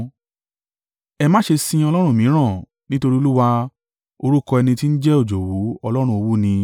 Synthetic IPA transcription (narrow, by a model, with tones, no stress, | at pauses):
ɛ˧mã˦ʃe˧sĩ˧ɔ˧lɔ˦ɾ̃ũ˦˨mĩ˨˦ɾ̃ã˦˨ | nĩ˦to˧ɾi˦o˧lu˦wa˧ | o˧ɾu˦kɔ˧ɛ˧nĩ˧ti˦n̩˦d͡ʒɛ˦o˦˨d͡ʒo˨wu˨˦ɔ˧lɔ˦ɾ̃ũ˧o˧wu˦nĩ˧